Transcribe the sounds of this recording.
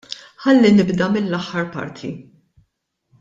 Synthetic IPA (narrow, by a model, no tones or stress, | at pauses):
ħɐlːinɪbd̪ɐmɪlːɐħːɐɾpɐ̰ɾt̪ʰi